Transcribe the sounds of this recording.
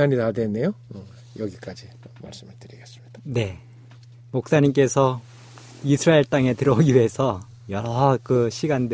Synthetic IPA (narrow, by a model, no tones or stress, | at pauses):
aɲitadwenːe̞jo | jʌɡik͈ad͡ʑi | ma̰ɭs͈ɯmɯɭtɯɾiɡes͈ɯ̥mɲid̥ane̞ | mok̚s͈aɲimk͈e̞sʰʌ | isʰɯɾaeɭt͈aŋe̞tɯɾʌɡiɥe̞sʰʌ | jʌɾʌkɯɕʰiɡand